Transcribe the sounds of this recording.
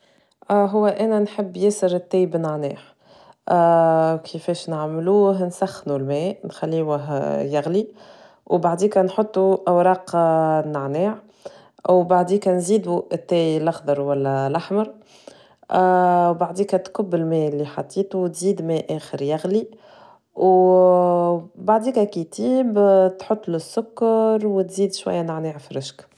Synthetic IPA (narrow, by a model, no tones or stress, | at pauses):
ʔɦʊwːæʔænænħəbːjæsəɾɪt̪ːɛːjbnəʕnɛːħ | kʰəfɛːʃnəʕmluːɦnsæxːnulmɛːnxælːiːwæɦjæɣli | wbaʕd̪iːkænħot̪ˤːuʔawɾˤɑːqnəʕnɛːʕ | wbaʕd̪iːkænziːd̪uʔɪt̪ːɛːjlɑxd̪ˤɑɾˤwælːɛlaħmɑɾˤ | wbaʕd̪iːkæt̪kʊbːɪlmɛːlːiħɑt̪ˤːiːt̪uwt̪ziːd̪mɛːʔɛːxəɾjaɣli | w | baʕd̪iːkækit̪iːbt̪ħot̪ˤːlɪsːʊkːɑɾwt̪ziːd̪ʃwæ̰jːænaʕnɛːʕfiɾɪʃk